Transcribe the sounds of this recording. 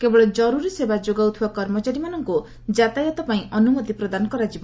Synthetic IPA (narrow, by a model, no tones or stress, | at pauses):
kebɔɭɔd͡ʒɔɾuɾisebad͡ʒoɡawt̪ʰiakɔɾmɔt͡ʃaɾimanɔŋku | d͡ʒat̪ajɔt̪ɔpaĩʔɔnumɔd̪ipɾɔd̪anɔkɔɾad͡ʒibɔ